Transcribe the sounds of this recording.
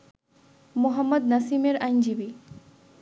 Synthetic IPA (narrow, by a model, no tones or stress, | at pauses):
muɦəmːəd̪̚nɐsimeɾajnd͡ʑibi